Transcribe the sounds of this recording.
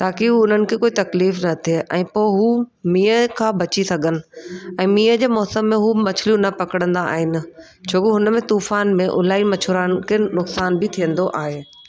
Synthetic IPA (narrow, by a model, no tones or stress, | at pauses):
t̪aːkiɦuʊn̤ənɪ̆kʰeːkoːit̪ɐkliːfnɐt̪ʰeʔɛ̃ːpoːɪɦuːmiːəkʰãːbʱɐt͡ɕisɐɡʱənɪ̆ɛ̃ːmiːəd͡ʑeːmɔːsəmːẽɦumɐt͡ɕʰɪljũnɐpɐkəɽ̃ə̃nd̪aa̰ːɦɪnɪ̆ | t͡ɕʰoːkeɦʊnəmẽt̪uːfaːnmẽʔʊ̰laːimɐt͡ɕʰʊɾaːnkʰeːnʊksaːnbɪt̪ʰijə̃nd̪oʔaːɦeː